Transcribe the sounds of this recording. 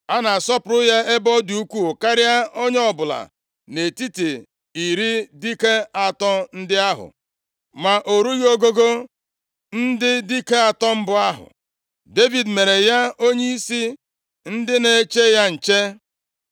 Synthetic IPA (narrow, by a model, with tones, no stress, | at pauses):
a˦na˨sɔ˦pʊ˨ɾʊ˦ja˦e˦bɔ˦du˨u˦kʷu˦o˨ka˦ɾɪ˦a˦o˦ɲe˦ɔ˦˨bʊ˨la̰˨ | ne˨ti˦ti˨ | i˨ɾi˦di˦ke˦a˨tɔ˦n̩˦dɪ˦a˦ɦʊ̰˨ | ma˨ʔo˨ɾu˦ɣo˦ɡo˦ɡo˦ | n̩˦dɪ˦di˦ke˦a˨tɔ˦m̩˦bʊ˦a˦ɦʊ̰˨ | de˦vi˨dme˨ɾe˨ja˦o˦ɲe˦i˦si˦ | n̩˦dɪ˦ne˨˦t͡ʃe˦ja˦n̩˨t͡ʃe˦